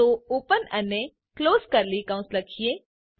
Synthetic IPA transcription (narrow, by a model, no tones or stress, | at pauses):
ouːpənɐne | kloːzkɐɾlikãʊ̃sɾɐkʰieː